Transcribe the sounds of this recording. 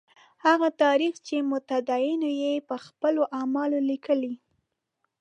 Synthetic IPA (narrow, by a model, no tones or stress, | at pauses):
haɣat̪ɑɾixt͡ʃemʊt̪ad̪ɑjinojepəxpəloʔamɑlolikəli